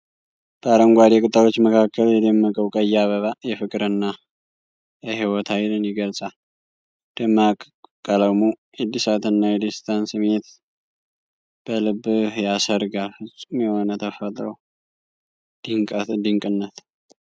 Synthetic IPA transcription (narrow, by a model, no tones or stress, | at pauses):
b̥əaɾəŋɡʷad̪ekʼɨt̪ʼːawot͡ʃːməkʰakːəljɛd̪əmːəkʼəwkʼəjːaβəβajɛfɨkʼɾɨnːa | jɛɦiwɔt̪ʰajlɨnjɪɡəlsʼa | d̪̥əmakʼ | kʼələmu | ed̪ːisat̪ʰɨnːajɛd̪ist̪ʰansɨmet̪ | b̥əlɨbːhjasəɾɡaɾfɨsʼumjɛho̞nət̪ʰəfət̪ʼɾəw | d̪ɨŋkʼɨnːət̪